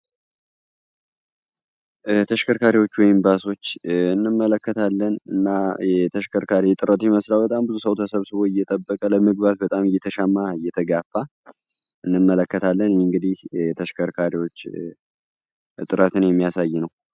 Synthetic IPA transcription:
t̪ʰəʃkʰəɾkʰaɾiwo̞t͡ʃːwɔjmbaso̞t͡ʃːɨnːɨmːələkːət̪ʰalːənɨ̰nːajɛt̪ʰəʃkʰəɾkʰaɾijt̪ʼɨɾət̪ʰɛməslawbət̪ʼambɨzusəwt̪ʰəsəβsɨβo̞ɨjːɛt̪ʼəbːəkʼələmɨɡ̚bat̪̚bət̪ʼamɨjɛt̪ʰəʃamːaɨjɛt̪ʰəɡafːa | ʔɨnːɨmːələkːət̪ʰalːənŋɡɨd̪ihɛt̪ʰəʃkʰəɾkʰaɾiwo̞t͡ʃː | t̪ʼɨɾət̪ʰɨnjɛmːijasajːɪnəw

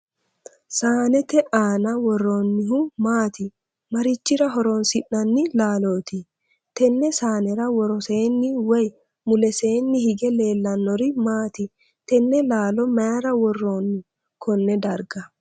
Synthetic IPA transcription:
saːnɛt̪ɛʔaːnɐwɔrːoːnːɪhʊmaːt̪ɪ | mɐɾɪt͡ʃːɪɾɐɦɔɾoːnsɪʔːɐnːɪlaːlo̞ːt̪ɪ | t̪ɛnːɛsaːnɛɾɐwɔɾɔse̞ːnːɪwɔj | mʊlɛse̞ːnːɪhɪɡɛle̞ːlːɐnːɔɾɪmaːt̪ɪ | t̪ɛnːɛlaːlɔmɐjɐɾɐwɔrːoːnːɪ | kʰɔnːɛd̪ɐɾɡɐ

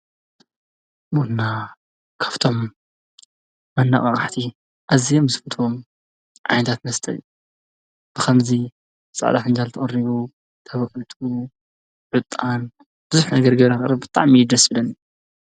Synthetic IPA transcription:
bonːa | kʰḁft̪ʰo̞m | ɐnːa̰χʼɐ̰χʼaħt̪ʰi | ʔazijomːɨsfɨt̪ʰom | ʕa̰jnɐt̪ʰat̪mɐst̪ʰʼɐ̰lu | b̥ɨkʰɐmzi | sʼa̰ʕd̪aħɨnd͡ʒalt̪ʰɐχʼɐɾiβu | t̪ʰɐβɐħɨt̪ʰu | ʕɨt̪ʼːan | b̥ɨzuħnɐɡɐɾɡɐβɾɐkʼɾɐbɨt̪ʼa̰ʕmijd̪ɐsbɨlɐn

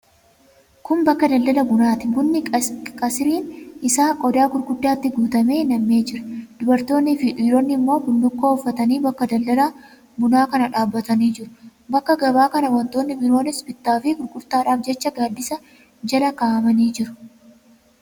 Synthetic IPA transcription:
kʊmbɐkːɐd̪ɐld̪ɐlɐbʊnaːt̪ɪbʊnːɪkʼɐsɪɾiːnʔɪsaːkʼɔd̪aːɡʊɾɡʊd̪ːaːt̪ːɪɡuːt̪ɐme̞ːnɐmːe̞ːd͡ʒɪɾɐ̥d̪̥ʊbɐɾt̪o̞ːnːɪfɪᶑiːɾoːnːɪmːo̞ːkʊnd̪ʊkːoːʊfːɐt̪ɐniːbɐkːɐd̪ɐld̪ɐlaː | bʊnaːkɐnɐᶑaːbːɐt̪ɐniːd͡ʒɪɾʊ̥bɐkːɐɡɐbaːkɐnɐwɐnt̪o̞ːnːɪbɪɾo̞ːnɪsbɪt̪ːaːfɪɡʊɾkʊɾt̪aːᶑaːfd͡ʒɛt͡ʃːɐɡaːd̪ːɪsɐ | d͡ʒɐlɐkaːʔɐmɐniːd͡ʒɪɾʊ̥

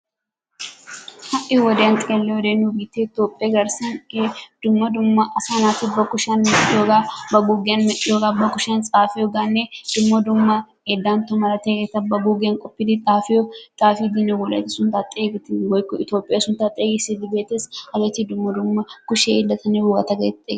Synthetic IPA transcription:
hɐʔɪwɔd̪eɐnt̪ʼɪelːɛwɔd̪eːnːubiːt̪eɪt̪oːpʼːɪaɡɐɾsɐned̪̥ʊmːɐd̪ʊmːɐʔɐsaːnaːt̪ɪbɐkʊʃɐnjoɡabɐɡuːɡenjoːɡabɐkʊʃɐnt͡sʼaːfɪjɔɡaːnːed̪̥ʊmːɐd̪ʊmːɐ | ed̪ːaːnt̪ʊmɐɾɐt̪eːɡɛt̪ɐbɐɡuːɡeŋkʼɔpːɪd̪ɪt̪ʼaːfɪɔt̪ʼaːfid̪iːnɛwɔlɐ̰t̪ɪsʊnt̪at̪ʼeːɡɪt̪ɪwɔjkːɔɪt̪jo̞ːpʼːɪjasʊnt̪aːt̪ʼeːɡɪsɪd̪ɪbeːt̪ːeːshɐɡɐt̪ɪd̪ʊmːɐd̪ʊmːɐkʊʃeɪlːɐt̪ɐnewɔɡɐ̰t̪ɐɡɐ̰t̪t̪ʼːḛːɡ

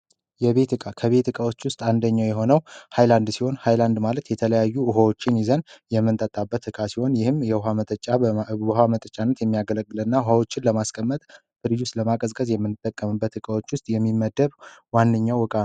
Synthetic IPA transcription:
jɛβe̞t̪ɨkʼakʰəβe̞t̪ɨkʼawo̞t͡ʃːwʊst̪ʼand̪əɲːawjɛɦo̞nəwhajland̪siho̞nhajland̪malət̪jɛt̪ʰələjajːuʊɦawo̞t͡ʃːɪnjizənjɛmːɨnt̪ʼət̪ʼabːət̪ɨkʼasiho̞njɪhɨmjɛɦamət̪ʼət͡ʃʼːabəɦamət̪ʼət͡ʃʼːanːət̪jɛmːijaɡələɡːɨlɨnːaʊhawo̞t͡ʃːɪnləmaskʼəmːət̪ʼ | fɨɾjust̪ləmakʼəzkʼəzjɛmːɨnːɨt̪ʼːəkʼːəmɨbːət̪ɨkʼawo̞t͡ʃːwʊst̪ʼjɛmːimːəd̪ːəβwanːɨɲːawɨkʼa

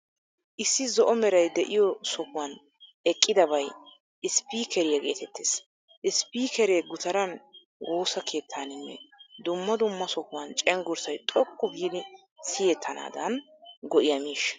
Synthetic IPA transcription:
ʔɪsːɪzɔʔɔmɛɾɐjd̪ɛʔɪjɔsɔkʊwɐn | ɛkʼːɪd̪ɐbɐj | ɪspiːkʰɛɾɪjɐɡe̞ːt̪ʰɛt̪ːeːs | ʔɪspiːkɛɾeːɡʊt̪ɐɾɐn | ɡo̞ːsɐkʰe̞ːt̪ʰːaːnɪnːɛ̰d̪ʊmːɐd̪ʊmːɐsɔkʊwɐnt͡ʃʼɛŋɡʊɾsɐjt̪ʼɔkʼːʊɡiːd̪ɪ | sɪjɛt̪ʰːɐna̰ːd̪ɐn | ɡɔʔɪjɐmiːʃ

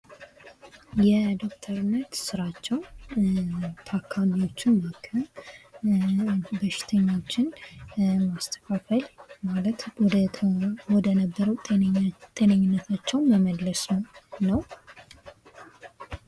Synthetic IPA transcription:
jɛd̪o̞k̚t̪ʰəɾnːət̪sɨɾat͡ʃːɛwn | t̪ʰakʰːalio̞t͡ʃːɪnbəkʰːə | bəʃɪ̥t̪ʰəɲːat͡ʃːɪn | mast̪ʰə̥kʰafəlmalət̪wɔd̪əwɔd̪ənəbːəɾəw̪t̪ʼenəɲːɪnːət̪ʰat͡ʃːɛwnməməlləsnəwnəw

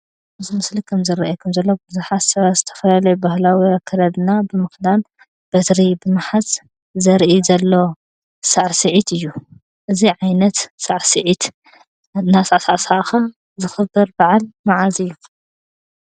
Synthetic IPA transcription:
ʔɨzimɨslikʰɐmzɨɾaʔakʰɐmzɐlːo̞bɨzuħassɐβaz̥ɨt̪ʰɐ̥fɐlalɐjubahlawiakʰːɐlɐd̪ɨnabɨmɨxd̪an | b̥ɐt̪ɾibɨmaħas | zɐɾʔizɐlːo̞ | saʕsɨʕit̪ʰɨjːu | ʔɨziʕajnɐt̪saʕsɨʕit̪ | nasasasaxum | zɨxɨbːɐɾbaʕalmaʕazɨjːu

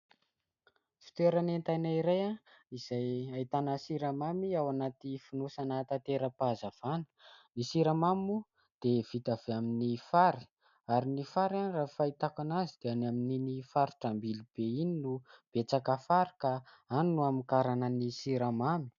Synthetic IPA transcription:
fi̥t̪eɾanent̪ajnaiɾajaiz̥ajait̪anəsiɾamamiawanat̪ifinosanat̪at̪eɾəpazav̥anə̥nisiɾamamu | d̪̥ev̥it̪av̥eaminifaɾi̥ | aɾinifaɾanirafait̪akanazid̪̥eanamininifaɾuʈ͡ʂambilib̥eininub̥et͡sakafaɾi̥kaanunuamikaɾanənisiɾamami̥

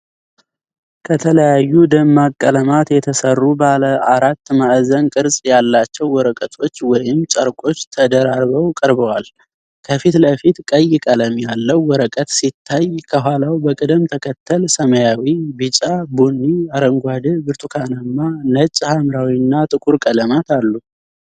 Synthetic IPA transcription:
kʰət̪ʰələjajːud̪əmːakʼːələmat̪jɛt̪ʰəsərːubaləaɾat̪ːmaʔzənkʼɨɾsʼjalːat͡ʃːɛwːɔɾəkʼət̪ʰo̞t͡ʃːwɔjɪmt͡ʃʼəɾkʼo̞t͡ʃːt̪ʰəd̪əɾaɾβəwkʼəɾβəwal | kʰəfit̪ləfit̪kʼəjːɪkʼələmjalːəwːɔɾəkʼət̪sit̪ʰːajkʰəɦʷalawbəkʼɨd̪əmt̪ʰəkʰət̪ʰːəlsəməjawibɨt͡ʃʼabunːiaɾəŋɡʷad̪ɨbɨɾt̪ʰukʰanəmːanət͡ʃʼːhamɾawinːat̪ʼɨkʼuɾkʼələmat̪alːu

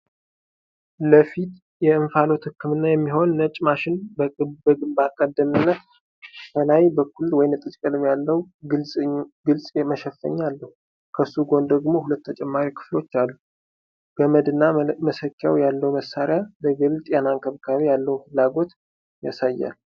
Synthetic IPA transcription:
ləfit̪ | jɛɨɱfalo̞t̪hɨkːɨmɨnːajɛmːiɦo̞nːət͡ʃʼmaʃɪnbbbakʼəd̪ːəmɨnːət̪ | fʰəlajbəkʰulːwɔjɪnt̪ʼɨt͡ʃʼkʼəlɨmjalːəwɡɨlsʼɡɨlsʼməʃɛfːə̰ɲːalːəhu | kʰəsːuɡo̞nd̪əɡmo̞hulət̪ːʰət͡ʃʼɛmːaɾikʰɨ̥flo̞t͡ʃːalːu | b̥əməd̪ɨnːaməsəkʰːa̰wjalːəwməsːaɾjaləɡɨlt̪ʼjanaŋkʰəβkʰawijalːəwufɨlːaɡo̞t̪ | ja̰sajːa̰l

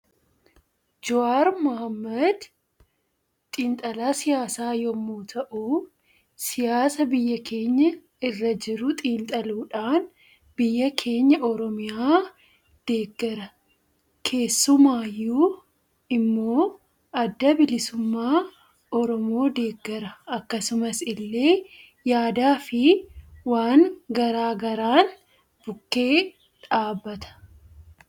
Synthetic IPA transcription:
d͡ʒɔaːɾmɐhɐmːɐd̪ | t̪ʼiːnt̪ʼɐlaːsɪjaːsaːjɔmːoːt̪ʰɐʔuː | sɪjaːsɐbɪjːɐkʰe̞ːɲːɐ | ɪrːɐd͡ʒɪɾʊt̪ʼiːnt̪ʼɐluːᶑaːn | bɪjːɐkʰe̞ːɲːɐʔɔɾɔmɪjaː | d̪̥e̞ːɡːɐɾɐ | kʰe̞ːsːʊmaːjːu | ɪmːo̞ː | ɐd̪ːɐbɪlɪsʊmːaː | ɔɾɔmo̞ːd̪e̞ːɡːɛɾɐɐkːɐsʊmɐsɪlːe̞ː | jaːd̪aːfɪwaːŋɡɐɾaːɡɐɾaːn | b̥ʊkːe̞ː | ᶑaːbːɐt̪ɐ̥

